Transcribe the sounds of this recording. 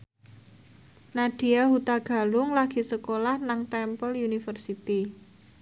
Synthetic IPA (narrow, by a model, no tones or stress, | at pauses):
naɖ̪̥i̤aɦut̪aɡ̥a̤lʊŋlaɡ̥i̤səkolahnaŋt̪ɛmpəlunifərsit̪i